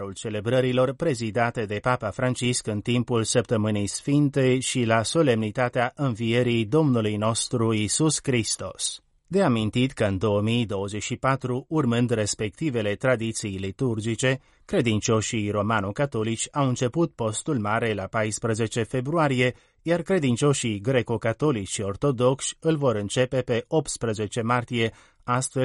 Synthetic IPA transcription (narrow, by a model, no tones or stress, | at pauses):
ult͡ʃe̞le̞bɾəɾilo̞rpɾe̞zid̪at̪e̞d̪e̞papafɾant͡ʃiskɨnt̪impulsəp̚t̪əmɨnejsfint̪e̞ʃilaso̞le̞mnit̪at̪eaʔɨnvije̞ɾijd̪o̞mnulujno̞st̪ɾuisuskɾist̪o̞s | d̪e̞amint̪it̪kəɨnd̪o̞əmijd̪o̞wəzeʃipat̪ɾuːrmɨnd̪re̞spe̞k̚t̪ive̞le̞t̪ɾad̪it̪sijlit̪urd͡ʒit͡ʃe̞ | kɾe̞d̪int͡ʃo̞ʃijro̞manokat̪o̞lit͡ʃʲawɨnt͡ʃe̞put̪̚po̞st̪ulmaɾe̞lapajspɾəze̞t͡ʃe̞fe̞bɾuaɾije̞ | jarkɾe̞d̪int͡ʃo̞ʃijɡɾe̞ko̞kat̪o̞lit͡ʃio̞rt̪o̞d̪o̞kʃʲɨlvo̞ɾɨnt͡ʃe̞pe̞pe̞op̚t̪spɾəze̞t͡ʃe̞mart̪ije̞ | ast̪fe